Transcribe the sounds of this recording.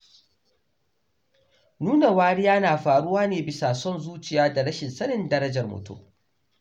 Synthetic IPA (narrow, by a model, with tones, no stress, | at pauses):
nuː˦na˨waː˦ɽi˦jaː˦naː˨ɸaː˨ɽʊ˦waː˦neː˨bɪ˦saː˨sɔ˦nzuː˦t͡ʃɪ˨jaː˦da˨ɽɐ˦ʃɪ˨nsɐ˦nɪ˨ndɐ˦ɾɐ˦d͡ʒɐ˨rmʊ̰˨tṵ˦˨